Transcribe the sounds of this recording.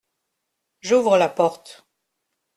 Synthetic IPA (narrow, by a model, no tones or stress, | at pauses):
ʒuvʁəlapɔʁt̪